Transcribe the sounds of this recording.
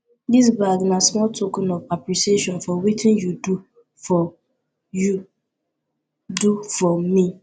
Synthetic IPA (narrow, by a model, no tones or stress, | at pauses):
dis̬baɡnasmɔltokɛnɔvapɾisieʃɔ̃nfɔwitʰɪ̃njudu | fɔ | ju | dufɔmĩ